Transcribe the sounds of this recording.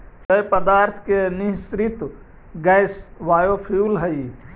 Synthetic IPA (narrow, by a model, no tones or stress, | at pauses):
kɐjpəd̪aːɾt̪ʰkenisɾit̪ | ɡɛsʋaːjopʰjuːlɦəi